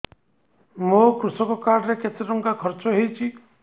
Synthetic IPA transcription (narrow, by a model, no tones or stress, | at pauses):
mokɾusɔkɔkaɾɾeketeɾɔŋkakʰɔɾt͡ʃɔɦejt͡ʃʰi